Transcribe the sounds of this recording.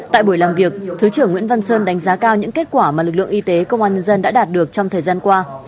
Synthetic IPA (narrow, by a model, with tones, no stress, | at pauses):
t̪a̰ː˧˨jɓu˧˩jlaː˨˩mvi˨˩ək̚t̪ʰɨ˨˦t͡ɕɨ˧˩əŋwḭ˧˥ənva˧nsəː˧nɗa˨˦jŋ̟zaː˨˦kaː˧wɲɨ̰˧˥ŋke˦˥t̚kwaː˧˩maː˨˩lɨ˨˩k̬̚lɨ̰˧əŋʔi˧t̪e˨˦kə˧wŋ͡mʔaː˧nɲə˧nzə˧nɗa̰ː˧˥ɗaː˨˩t̚ɗɨ˨˩ək̚t͡ɕɔ˧ŋ͡mt̪ʰəː˨˩jzaː˧nkwaː˧